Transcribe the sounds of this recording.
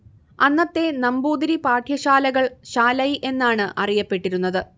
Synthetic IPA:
ɐnːɐt̪ːe̞nɐmbuːd̪iɾipaːʈʰjɐɕaːlɐɣɐɭɕaːlɐjʔe̞nːaːɳɨʔɐrijɐpːe̞ʈːiɾunːɐðɨ

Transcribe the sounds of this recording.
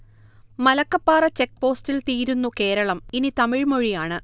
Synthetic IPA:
mɐlɐkːɐpːaːrɐt͡ɕek̚ːpo̞ːstilt̪iːɾunːuke̞ːɾɐɭɐminit̪ɐmiɻmoɻijaːɳɨ

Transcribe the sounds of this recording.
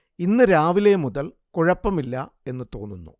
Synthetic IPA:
inːɨɾaːʋile̞muðɐl | kuɻɐpːɐmilːɐe̞nːɨt̪o̞ːnːunːṵ

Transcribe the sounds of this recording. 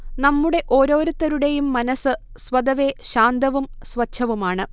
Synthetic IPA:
nɐmːuɽe̞ʔo̞ːɾo̞ːɾut̪ːɐɾuɽe̞jumːɐnɐsɨ | sʋɐd̪ɐʋe̞ɕaːnd̪ɐʋumsʋɐt͡ɕʰːɐʋumaːɳɨ

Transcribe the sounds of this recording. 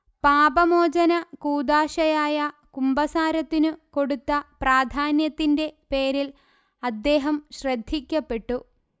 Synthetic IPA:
paːbɐmoːd͡ʑɐnɐkuːd̪aːɕɐjaːjɐkumbɐsaːɾɐt̪ːinɨko̞ɽut̪ːɐpraːd̪ʱaːnjɐt̪ːinde̞pe̞ːɾil | ɐd̪ːe̞ːɦɐmɕrɐd̪ʱːikʲːɐpːe̞ʈːu

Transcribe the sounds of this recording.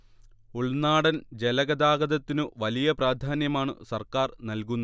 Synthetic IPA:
uɭnaːɽɐnd͡ʑe̞lɐɣɐd̪aːɡɐðɐt̪ːinɨʋɐlijɐpraːd̪ʱaːnjɐmaːɳɨ̰sɐrkaːrnɐlkunːɐ

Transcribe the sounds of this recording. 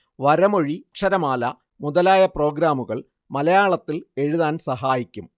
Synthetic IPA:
ʋɐɾɐmoɻikʂɐɾɐmaːlɐ | muðɐlaːjɐpro̞ːɡɾaːmuɣɐɭ | mɐlɐjaːɭɐt̪ːile̞ɻuðaːnsɐɦaːjikʲːum

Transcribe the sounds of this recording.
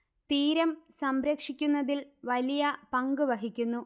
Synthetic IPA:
t̪iːɾɐmsɐmɾeːkʂikʲːunːɐðilʋɐlijɐpɐŋɡɨʋɐɦikʲːunːu

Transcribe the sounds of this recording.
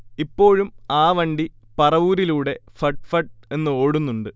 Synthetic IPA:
ipːo̞ːɻumaːʋɐɳɖi | pɐrɐʋuːɾiluːɽe̞fɐʈfɐʈ̚e̞nːɨo̞ːɽunːuɳɖɨ

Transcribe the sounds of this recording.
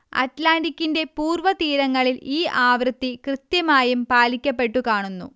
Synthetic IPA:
ɐ̰ʈlaːɳɖikʲːinde̞puːrʋɐt̪iːɾɐŋːɐɭiliːaːʋrɨt̪ːikrɨt̪jɐmaːjumpaːlikʲːɐpːe̞ʈːukaːɳunːṵ

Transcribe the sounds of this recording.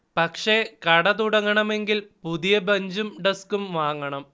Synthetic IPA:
pɐkʂekɐɽɐt̪uɽɐŋːɐɳɐme̞ŋɡilpuðijɐbɐɲd͡ʑumɖɐskumʋaːŋːɐɳɐm

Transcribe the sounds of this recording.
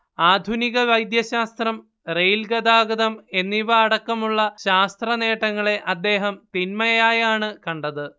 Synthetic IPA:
aːd̪ʱuniɣɐʋɐjd̪jɐɕaːst̪rɐm | rejlɡɐd̪aːɡɐðɐme̞nːiʋɐːɽɐkːɐmuɭːɐɕaːst̪rɐne̞ːʈːɐŋːɐɭe̞ʔɐd̪ːe̞ːɦɐmt̪inmɐjaːjaːɳɨkɐɳɖɐðɨ

